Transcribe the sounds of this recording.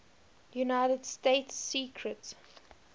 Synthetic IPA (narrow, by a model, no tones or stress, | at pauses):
junaɪtədsteɪtsːiːkʰɹət